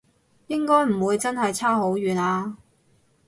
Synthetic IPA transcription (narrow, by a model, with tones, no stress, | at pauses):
jɪ˥ŋkɔː˥jm̩˨˩wuː˨˧jt͡sɐ˥nɦɐ˨jt͡sʰaː˥ɦo˨˥wjɥyː˨naː˧